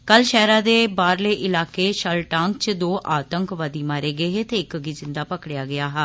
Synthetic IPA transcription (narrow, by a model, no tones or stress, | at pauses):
kəlʃɛːɾãːd̪eːbaːɾleːʔɪlaːkeːʃəlʈãːŋk̚t͡ʃd̪oːʔaːt̪əŋkʋəd̪iːmaːɾeːɡəeːɦeːt̪eːɪkəɡiːzɪnd̪aːpəkɽɪjaːɡɪaːɦɛː